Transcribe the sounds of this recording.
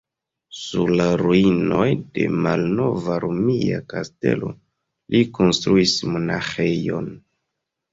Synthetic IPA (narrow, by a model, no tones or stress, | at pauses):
suɾlaɾuino̞jde̞malno̞vaɾomia̰kaste̞̰lʔo̞̰ | lʔiko̞nstɾuismo̞naxe̞jo̞n